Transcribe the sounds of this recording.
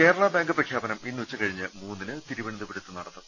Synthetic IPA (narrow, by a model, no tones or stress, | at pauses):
ke̞ːɾɐɭɐbaːŋɡɨprɐkʰjaːbɐnɐminːuʋɐt͡ɕːɨkɐɻiɲːɨmuːnːinɨt̪iɾuʋɐɳid̪ɨpiɽut̪ːɨnɐɽɐt̪ːum